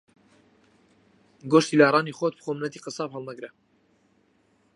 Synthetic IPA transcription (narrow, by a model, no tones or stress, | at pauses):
ɡoʃt̪iːlaːrˤɑːnixoːt̪̚bxoːmnɛt̪iːqəsɑːphəlˠnaɡɾa